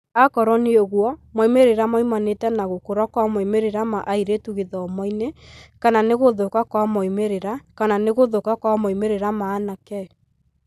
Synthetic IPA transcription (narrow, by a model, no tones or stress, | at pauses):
akɔɾɔneoɣwɔmɔimeɾeɾamɔimanetɛnaɣokoɾakwamɔimeɾeɾamaʔaiɾetuɣeðɔɔmɔinekananeɣoðokakwamɔimeɾeɾakananeɣoðokakwamɔimeɾeɾamaːnakɛɔ